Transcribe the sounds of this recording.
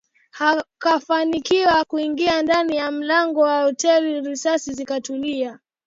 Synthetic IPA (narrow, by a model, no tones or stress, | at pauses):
hakafanikiwakuiŋɡiandanijam̩laŋɡɔwahɔtɛliɾisasizikatulia